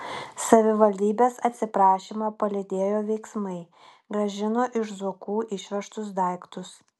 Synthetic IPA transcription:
sɐʋʲɪʋɐlʲd̪ʲiːbʲeːsɐt̪ʲsʲɪpɾɑːʃʲimɑːpɐlʲɪd̪ʲeːjoːʋʲɛɪksmɐɪ | ɡɾɐʒʲɪnoːʔɪʃzʊkuːʔɪʃʲʋʲɛʃt̪ʊsd̪ɐˑɪkt̪ʊs

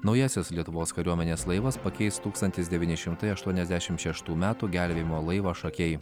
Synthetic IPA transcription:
nɒʊjɛsʲɪslʲiɛt̪ʊʋoːskɐɾʲuɔmʲɛnʲeːslˠɐɪʋɐspɐkʲɛɪst̪uːkst̪ɐnʲt̪ʲɪs̬d̪ʲɛʋʲiːnʲɪʃʲɪmt̪ɐɪɐʃt̪uɔnʲɛzʲd̪ʲæʃʲɪmʃʲɛʃt̪uːmʲæːt̪uːɡʲælʲʋʲeːjɪmoːlˠɐɪʋɐʃɐkʲɛɪ

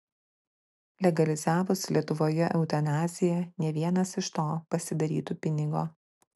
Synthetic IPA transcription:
lʲɛɡɐlʲɪzæːʋʊslʲiɛt̪ʊʋoːjɛʔɛʊt̪ɐnaːzʲɪjɛnʲɛʋʲiɛnɐsɪʃt̪oːpɐsʲɪd̪ɐɾʲiːt̪uːpʲɪnʲɪɡo̰ː

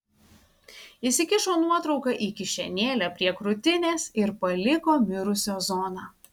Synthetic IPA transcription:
ɪsʲɪkʲɪʃoːnuɔt̪ɾɒʊkɑʔiːkʲɪʃʲɛnʲeːlʲɛːpʲɾʲiɛkɾʊt̪ʲɪnʲeːsɪɾpɐlʲɪkoːmʲɪɾʊsʲoːzɔːnɑː

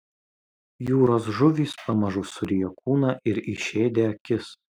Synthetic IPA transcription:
juːɾoːs̬ʒʊʋʲiːspɐmɐʒʊsʊɾʲijɛkuːnɐʔɪɾɪʃʲeːd̪ʲeɐkʲɪs

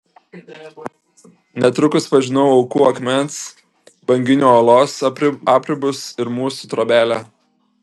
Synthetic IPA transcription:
nʲɛt̪ɾʊkʊspɐʒʲɪnɔʊɒʊkuːɐkmʲɛnt̪s | bɐŋʲɡʲɪnʲoːoːlˠoːsɑːpʲɾʲɪbʊsɪɾmuːsuːt̪ɾoːbʲæːlʲæ

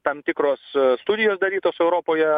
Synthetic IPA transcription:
t̪ɐmt̪ʲɪkɾoːsst̪ʊd̪ʲɪjoːsd̪ɐɾʲiːt̪oːsɛʊɾoːpoːjɛ

